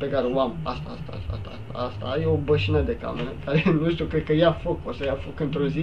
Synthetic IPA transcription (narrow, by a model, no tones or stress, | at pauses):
pe̞kaɾeoamast̪aast̪aa̰st̪aa̰st̪a̰ast̪a̰ast̪a̰jeobəʃinəd̪e̞ka̰meɾəkaɾenuʃt̪iukɾed̪kəjafokosəjafo̞kɨnt̪ɾozi